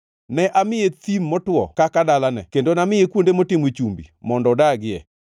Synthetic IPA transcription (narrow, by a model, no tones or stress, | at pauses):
nɛʔamɪjet̪imːɔtwɔ̰kakadalanɛ̰kendonamɪekwondemotɪmwet͡ʃumbḭmɔndɔdaɡɪɛ